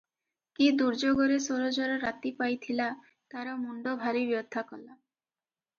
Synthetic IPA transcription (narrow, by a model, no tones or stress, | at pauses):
kid̪uɾd͡ʒoɡɔɾesoɾod͡ʒɔɾɔɾat̪ipajt̪ʰila | t̪aɾɔmuɳɖɔbʱaɾibjɔd̪ʱːakɔla